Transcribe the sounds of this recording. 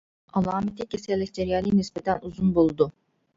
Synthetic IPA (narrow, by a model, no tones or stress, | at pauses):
alˠaːmet̪ʰicʰesɛlʲːicd͡ʒeɾjalʲˠinispet̪ʰænuzunbolˠd̪ʊ